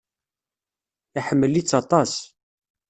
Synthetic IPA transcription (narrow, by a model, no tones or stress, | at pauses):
iħəmːəlːit͡sːɑt̪ˤɑs